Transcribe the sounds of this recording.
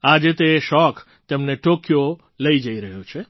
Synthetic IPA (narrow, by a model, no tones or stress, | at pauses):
ad͡ʒet̪eʃɔk | t̪emneʈokjo | ləid͡ʒəiɾəɦjut͡ʃʰe